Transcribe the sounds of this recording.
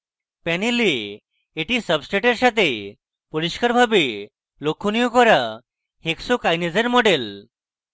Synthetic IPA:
pɛniliː | ʈisəbsʈeʈeɾɕat̪e | pɔɾiɕkəɾbʱabe | lokʰːunijukɔɾa | heksokajned͡zeɾmɔɖel

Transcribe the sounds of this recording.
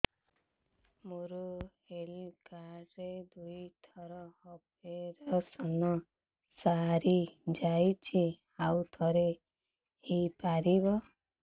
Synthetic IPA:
muɾuhelkaɾed̪ujt̪ʰɔɾɔhɔp | eɾɔsɔnɔ | saɾid͡ʒajt͡ʃʰi | awt̪ʰɔɾe | epaɾibɔ

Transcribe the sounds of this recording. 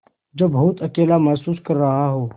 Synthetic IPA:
d͡ʒobɐɦʊt̪ɐkeːlamɛɦsuːskɐɾːɐɦaɦoː

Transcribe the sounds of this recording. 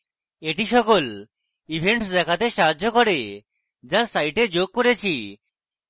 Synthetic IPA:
eʈiʃɔkol | ibʱeɳʈsd̪ɛkʰat̪eʃaɦad͡ʑːokɔɾe | d͡ʑaɾsajʈed͡ʑoɡ̚koɾet͡ɕʰi

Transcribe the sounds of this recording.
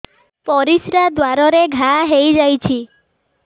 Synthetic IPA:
pɔɾisɾad̪waɾɔɾeɡʱaɦejd͡ʒajt͡ʃʰi

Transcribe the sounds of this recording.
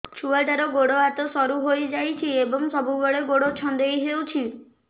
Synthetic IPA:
t͡ʃʰuaɭʈaɾɔɡoɽoat̪ɔsɔɾuɦojd͡ʒajt͡ʃʰiebɔŋsɔbʱubɔɽeɡoɽot͡ʃʰɔnd̪ejɦewt͡ʃʰi

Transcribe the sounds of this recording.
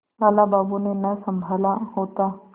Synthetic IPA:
ʋaːlabaːbunenɐsə̃mbʱaːlaɦoːt̪a

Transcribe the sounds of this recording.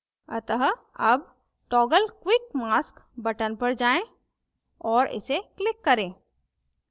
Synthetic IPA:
ɐt̪əɦ | ɐb | ʈɔːɡəlkwɪk̚maːskbɐʈənpɐɾd͡ʒaːẽ | ɔːɾɪ̰seklɪkːɐɾẽː

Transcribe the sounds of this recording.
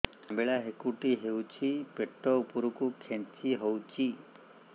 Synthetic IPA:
ambeɭaɦekuʈiɦewt͡ʃʰipeʈːɔupuɾukukʰẽnt͡ʃʰiɦowt͡ʃʰi

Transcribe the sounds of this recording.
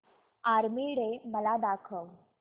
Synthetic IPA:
aɾmiɽeməlad̪akʰəw

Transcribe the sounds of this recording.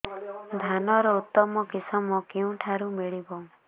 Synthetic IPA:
d̪ʱanɔɾɔut̪ːɔmɔkisɔmɔkiũʈʰaɾumiɭibɔ

